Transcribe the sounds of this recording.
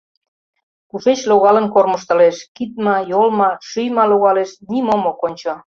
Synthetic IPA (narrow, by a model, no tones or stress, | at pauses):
kuʃet͡ɕloɣɑlə̆nkorməʃt̪ə̆leʃkit̪̚mɑjolmɑʃyjmɑloɣɑleʃnimomokonʲt͡ɕo